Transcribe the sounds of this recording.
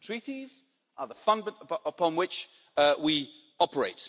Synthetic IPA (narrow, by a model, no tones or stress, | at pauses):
tʰɹ̥iˑtiz | ʔəðəfʌ̃nmə̃ntəəpʰɒ̃nwɪt͡ʃ | wi | ɒpəɹeɪt